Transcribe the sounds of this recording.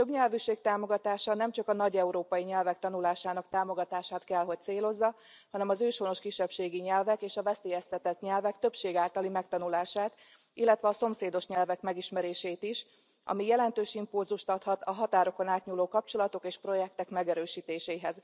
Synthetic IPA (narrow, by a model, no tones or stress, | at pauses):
t̪øbɲɛlvyʃeːk̚t̪aːmo̞ɡɒt̪aːʃɒnɛmt͡ʃɒkɒnɒɟɛuɾoːpɒjiɲɛlvɛk̚t̪ɒnulaːʃaːnɒkt̪aːmo̞ɡɒt̪aːʃaːt̪kɛlɦo̞c̚t̪seːlo̞zːɒ | hɒnɛmɒzøːʃono̞ʃkiʃːɛpʃeːɡiɲɛlvɛkeːʃɒvɛseːjɛst̪ɛt̪ɛt̪ɲɛlvɛkt̪ø̞pʃeːɡaːlt̪ɒlimɛkt̪ɒnulaːʃaːt̪ | ilːɛt̪ʋɛɒso̞mseːd̪o̞ʃɲɛlvɛkmɛɡiʃmɛɾeːʃeːt̪iʃ | ʔɒ̰mijɛlɛnt̪øːʃimpulzuʃt̪ɒt̪hɒt̪ɒɦɒt̪aːɾo̞ko̞naːt̪ɲuloːkɒp̚t͡ʃo̞lɒt̪o̞keːʃpro̞jɛk̚t̪ɛkmɛɡɛɾøːʃiːt̪eːʃeːɦɛz